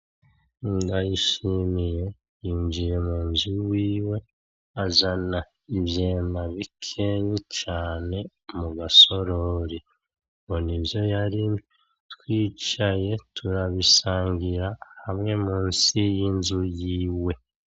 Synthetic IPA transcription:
indajiʃimije̞ | jiːɲd͡ʒiɾe̞muːnzuwiːwe̞ | azana | iβje̞ːnaβikʰe̞ɲit͡ʃaːne̞ | muɡaso̞ɾo̞ɾi | mo̞nibjo̞jaɾimi | twiːt͡ʃaje̞tʰuɾaβisaːŋɡiɾahamŋe̞muːnsijinzujiːwe̞

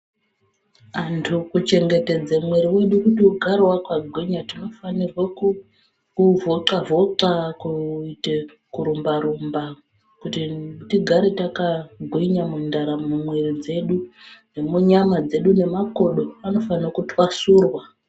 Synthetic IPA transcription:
ʋantʰukut͡ʃe̞ŋɡe̞te̞d͡zamwe̞ɾiwe̞ɗukutiɡʱarwakwaɡʱweɲatino̞fanirwaku | kuvʱo̞ǀavo̞ǀakuite | kuɾumbaɾumba | kutitiɡʱaɾitakaɡʱwiɲamundaɾamumwe̞rid͡ze̞ɗud͡zemuɲamad͡ze̞ɗune̞mako̞ɗo̞ano̞fanirokutʰwasuːrwa

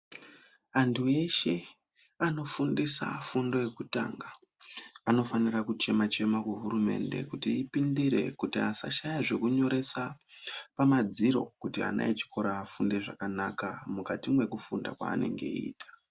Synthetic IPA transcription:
antʰue̞ʃe̞ | ano̞fundisa̰fundo̞je̞kuta̰ːŋɡa | ano̞fanirakut͡ʃe̞mat͡ʃe̞makeɦuɾume̞̰nde̞̰kutiːpindiɾe̞̰kutiasa̰ʃajaʐe̞kuɲo̞ɾe̞sapamad͡ziɾo̞̰kutia̰na̰et͡ʃi̥kʰo̞ɾaːfundeʐakanakamukatimwe̞kufunda̰kwa̰ːne̞̰ŋɡe̞̰iːtḁ

